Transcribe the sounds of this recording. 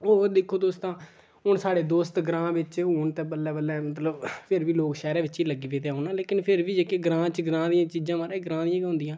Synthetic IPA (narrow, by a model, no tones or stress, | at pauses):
oːd̪ɪkʰːoːd̪oːst̪ãː | ɦʊnsaːɽeːd̪oːst̪ɡɾãːʋɪt͡ʃɦuːnt̪ẽːbəlːɛːbəlːɛːmət̪̬ləbpʰɪɾʋiːloːkʃɛːɾãːʋɪt͡ʃiːləɡiːʋeːt̪eaːɦʊnãːleːkɪnpʰɪɾʋiːd͡ʒeːkeːɡɾãːt͡ʃɡɾãːd̪ɪjãːt͡ʃiːd͡ʒãːʋaːɾaːɡɾãːd̪ɪjãːkːɦʊ̃nd̪ijãː